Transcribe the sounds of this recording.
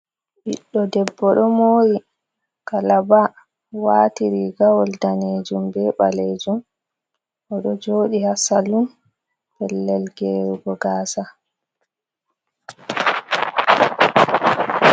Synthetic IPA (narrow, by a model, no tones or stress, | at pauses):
biɗːɔdɛbːɔɗɔmoːɾi | kalaba | watiɾiɡawɔldaneːd͡ʒumbɛɓa̰led͡ʒum | ʔɔɗɔd͡ʒoːɗihasalum | bɛlːɛlɡɛuɡɔɡaːsa